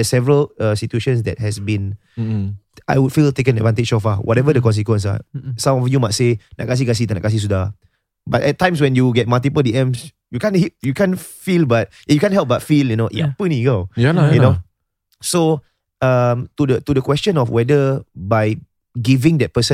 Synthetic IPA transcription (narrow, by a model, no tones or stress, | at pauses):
ɛsɛvəɹəlʌsitueʃə̃ns̬dɛ̰t̚hɛsbĩn | ʔa̰jwudfiltekə̃nɛdvãnted͡ʒsofawɔtɛvədəkɔ̃ns̬ikwə̃nsa̰sãmɔfjumajt̚sena̰ʔkas̬iɡas̬itana̰kas̬is̬uda | batɛt̚tːãj̃ms̬wɛ̃njuɡɛt̚maltipəldiɛ̃ms | jukãnhijukãnfilbat̚ | jukãnɦɛlp̚batfiljunoʔja̰puniɡajuno | so | ʌmtudətudəkwɛst͡ʃɔ̃nɔfwɛdəbaj | ɡivĩŋdɛt̚pəsə̃